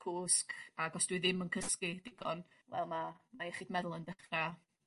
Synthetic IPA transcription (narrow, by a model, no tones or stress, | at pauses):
kʰuːskʰaɡɔsd̥wɨðɪmənkʰəskɪd̥ɪɡ̥ɔn | vɛ̰lˠmamaɛχiːdmɛðʊlˠəndəχra